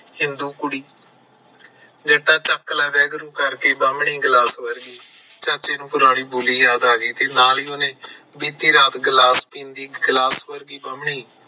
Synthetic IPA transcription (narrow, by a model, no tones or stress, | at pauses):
hɪ̃nd̪uːkʊɽiː | d͡ʒəʈãːt͡ʃəkːlaːbɛːɡɾũːkəɾkeːbəmɳiːɡlaːsʋəɾɡiːt͡ʃãːt͡ʃeːnũːpʊɾaːɽiːboːliːjaːd̪aːɡiːt̪eːnaːliːoːneː | biːt̪iːɾaːt̪ɡlaːspĩːnd̪iːɡlaːsʋəɾɡiːbəmɳiː